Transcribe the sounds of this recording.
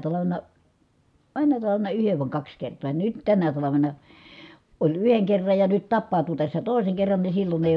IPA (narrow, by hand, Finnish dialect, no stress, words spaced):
tɑlɑʋenɑ mænːæ tɑlɑʋenɑ yheʋ ʋɑˑi̯ kɑks kertˑoː jɑ nyt tænæ tɑlɑʋenɑ olʲ yheŋ kerːɑj jɑ nyt tɑpːɑˑu̞tu tæsːæ toˑi̯seŋ kerːɑn ni silːon eˑi